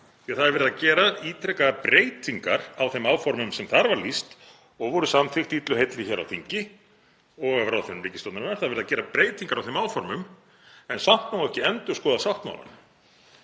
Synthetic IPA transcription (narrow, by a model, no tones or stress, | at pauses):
θθaðɾvɪɾʏððacɛːɾaiːt̪ʰɾɛkaðpɾeːjt̪ʰiŋkaɾawθejmaːwfɔɾmʏmsɛmθaɾvaɾlist̪ | ɔɣvɔɾʏsamθɪxt̪iːt̪lʏɦejt̪lɪçɛɾa̰wθiɲcɪ | ɔɣavɾawθɛnːmɾiːcɪst̪ɔwt̪naɾnaɾ̥θaðvɪɾðacɛːɾapɾeːjt̪iŋkaɾawθemaːwfɔɾmʏm | ɛnsawht̪nawlɛhcɪɛnt̪ʏ̥skɔːðasawht̪ma̰wla̰n